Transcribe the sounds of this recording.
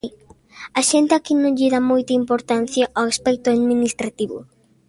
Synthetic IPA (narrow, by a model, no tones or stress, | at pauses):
aʃent̪eakinõŋʎiðamojt̪ɐimpoɾt̪an̟θjaʔaaspɛk̚t̪ʊaðminist̪ɾat̪iβʊ̰